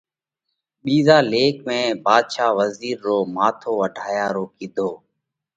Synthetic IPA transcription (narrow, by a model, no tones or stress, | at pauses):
ɓiːzaːleːkmẽːbaːd̪ʃaːʋəziːɾːoːmaːt̪ʰoːʋəɖʱaːjaːɾoːkid̪ʱoː